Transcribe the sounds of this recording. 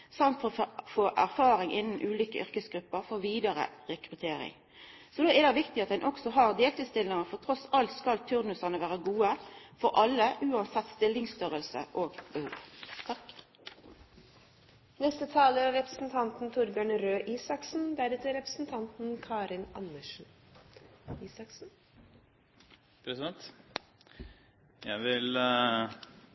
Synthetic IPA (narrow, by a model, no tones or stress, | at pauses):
sɑnt̪fɔʁofoːʔæɾfɑːɾɪŋʔɪnn̩ʔʉːlʏːkə̰ʔʏɾkəsɡɾʉpːəʁfɔʋiːd̪əɾə̰ʁɛkɾʉt̪ʰeːɾɪ̰ŋ | sɔd̪oːɛɾd̪ɛʋɪkt̪ɪɑt̪d̪ɛnʔɔksɔɦɑʁd̪eːlt̪ɪst̪ɪlɪŋɑfɔʁt̪ʰʁɔsɑlt̪skɑlt̪ʰʉɾnʉsɑnəʋæːʁəɡuːəfɔɾʔɑlːəʔʉːɑnsɛt̪ːst̪ɪlːɪŋst̪œɾəlsə̰ʔoːɡbəhṵːʋt̪ʰɑk | nɛst̪ət̪ʰɑːləɾɑɾɛpɾəsn̩t̪ʰɑnt̪n̩t̪ʰʊɾbæɳəɾøːʔiːsɑksn̩d̪æɾɛt̪əɾɛpɾəsn̩t̪ʰɑnt̪n̩kʰɑːɾɪnɑ̰nːəʂn̩ | iːsɑksn̩ | pʰɾɛsɪd̪ɛnt̪ | jæ̰ɪʋɪl